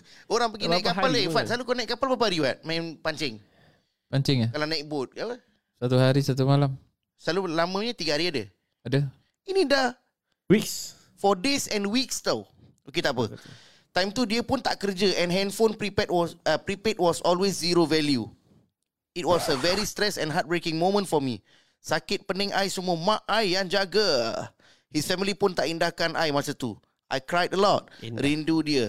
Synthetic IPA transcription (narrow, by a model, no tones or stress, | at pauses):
oɾãŋpəɡiakkaalefat̚salukɔnɛt̚kapalpap̬aɾiwa̰t̪̚mãnpaɲt͡ʃɛŋ | paɲt͡ʃɛŋakalanat̚bot̪̚apə | sat̪uɦaɾisat̪umalam | salulamə̃ɲat̪iɡəhaɾiadə̰ | adə | inida | wiks | fɔdesɛ̃nwikst̪aw | ʔoket̪aʔpə̰ | t̪ãjmt̪udiəpũnt̪aʔkəɾd͡ʒəʔɛ̃nɦɛ̃nfõnpɹipɛt̚wɔəpɾipɛt̚wɔsɔlwesziɾovɛlju | it̚wɔsəvɛɾist̪ɾɛsɛ̃nɦat̚bɹekĩŋmõmə̃ntfɔmḭ | sakɪt̚pənə̃ŋʔa̰jsumuəmãʔajãnd͡ʒaɡə̰ | hisfɛmilipũnt̪aʔĩndahkãnʔa̰jmasət̪ṵ | ʔa̰jkɾajdəlɔt̚ɾĩndudiə